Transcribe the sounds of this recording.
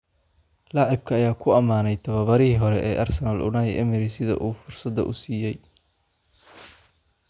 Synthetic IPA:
lɑʕɪb̚kʰɐːjaːkʰʊɐmaːnɛjt̪ʰɐβɐβɐɾɪɦiːɦɔɾɛʔɛːʔɐrsɐnɐlʔʊ̰nɐjʔɛ̰mɪɾisɪðɐ̰ʔuːfʊrsɐd̪ɐ̰ʔʊ̰siːjɛj

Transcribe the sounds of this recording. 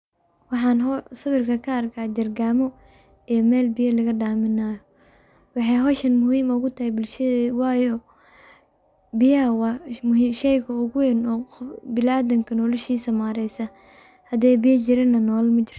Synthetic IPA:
wɑħɑːnɦɔsɐβɪrkʰɐkʰɐːrkʰaːd͡ʒɐrɡaːmɔ | ijɔmɛːlbɪjɐlɐɣɐɖaːmɪnaːjɔ | wɑħɑjɦɔːʃɐnmʊhiːmʊɣʊt̪ʰɐɦɛjbɪlʃɐðwɑːjɔ | bɪjɐɐwɑmʊɦiʃɛjkʰɐʊɣʊwɛnɔːbɪlaːd̪ɐŋkʰɐnɔːlɐʃiːsɐmaːɾɛjsɐ | hɐd̪ɛːjbɪjɐt͡ʃɪɾɐnːɐnɔːlmɐt͡ʃɪr

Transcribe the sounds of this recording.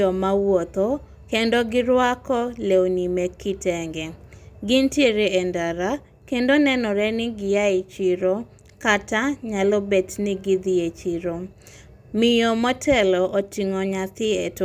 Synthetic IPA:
ɔmawɔt̪o | kendoɡɪɾwakɔleonimekitɛŋɡɛɡɪnteɾeɛndaɾa | kendonɛnɔɾɛnɪɡɪjaɪt͡ʃiɾo | kataɲalɔbɛtnɪɡɪd̪ɪet͡ʃiɾo | mɪjɔmɔtʰɛlɔʔotiŋɔɲat̪ɪɛt

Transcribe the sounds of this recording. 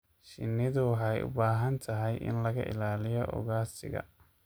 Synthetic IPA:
ʃɪnːɪðʊwɑħɑjʊ̰baːɦɐnt̪ʰɐɦɛjʔɪ̰nlɐɣɐ̰ʔɪ̰laːlɪjɔʔɔ̰ɣaːsɪ̰ɣɐ̰

